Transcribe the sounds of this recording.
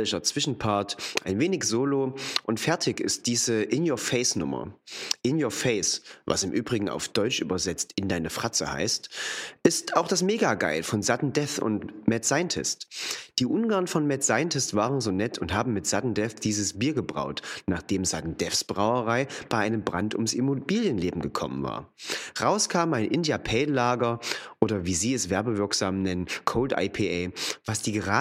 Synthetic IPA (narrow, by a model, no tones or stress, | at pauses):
lɪʃɐt͡sv̥ɪʃn̩pʰaɐtʔa̰ɪnveːnɪçz̥oːloʔʊntfɛɐtʰɪçɪ̰st̚d̥iːzəʔɪnjoːɐfɛɪsnʊ̰mɐ̰ʔɪnjoːɐfɛɪsva̰sɪmʔyːbʁɪɡŋ̩a̰ʊfd̥ɔʏt͡ʃʔy̰ːbɐzɛt͡stɪndaɪnəfʁ̥at͡sə̰ha̰ɪstʔɪstaʊxd̥asmeːɡaɡa̰ɪlfɔnzatn̩dɛθʊ̰ntmɛtz̥aɪntʰɪ̰std̥iːʔʊnɡaɐnfɔnmɛtz̥aɪntɪstv̥aːʁənzoːnɛtʰʊnthaːbm̩mɪtz̥atn̩dɛθd̥iːzəsb̥iːɐɡəbʁa̰ʊtnaːχd̥eːmzatn̩d̥ɛfsb̥ʁaʊəʁ̞aɪb̥aɪʔaɪnəmbʁantʊ̰msʔɪmobiːljənleːbm̩ɡəkʰɔ̰mə̰nva̰ːɐʁaʊskʰaːməaɪnʔɪndijapʰɛːlaːɡɐʔʔoːɾɐviːziːɛsv̥ɛɐbəvɪɐkz̥aːmnɛnənkʰoʊltʔa̰ɪpʰeʔavasd̥iːɡəʁaː